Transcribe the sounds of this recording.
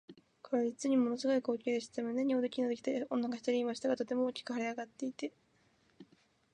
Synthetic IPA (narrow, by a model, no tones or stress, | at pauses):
kʰaɾaɾit͡sɨɲ̟imo̞no̞sɨɡo̞iko̞ːkʲeːd̪eɕi̥t̪t̪emonːeɲ̟iod̪ekʲinod̪ekʲi̥t̪aɾiõ̞nːaɡaçi̥t̪aɾʲiiːmaɕi̥t̪aɡat̪ot̪e̞mo̞oːkʲi̥kɯ̟haɾʲiaɡat̪ːe̞it̪e̞